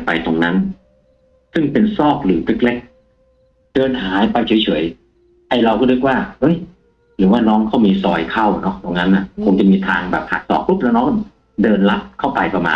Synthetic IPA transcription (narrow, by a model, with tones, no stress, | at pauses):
pa˧jt̪o˧ŋna˦˥n | sɯ˥˩ŋpe˧nsɔː˥˩k̚lɯː˩˦t̪ʰɯ˦˥k̚le˦˥˩k̚ | d̥ɤː˧nɦaː˨˦jpa˧jt͡ɕʰu˨˩˦jt͡ɕʰu˨˩˦j | ʔa˧jɾa˧wkʰɔː˥˩t̪ɯ˦˥k̚waː˥˩hɯ˦˥˩j | ɾɯː˩˦waː˥˩nɔː˦˥ŋkʰa˥˩wmiː˧sɔː˧jkʰa˥˩wnɔ˦˥t̪o˧ŋna˦˥nʔːa˧˩kʰo˧ŋt͡ɕa˨˩miː˧t̪ʰaː˧ŋbɛː˨˩p̚ha̰˨˩t̪̚sɔ̰ː˨˩k̚pu˦˥˩p̚la˧˥˩nɔː˦˥˩ | dɤː˧nla˦˥p̚kʰa˥˩wpa˧jpa˧ma̰ː˧n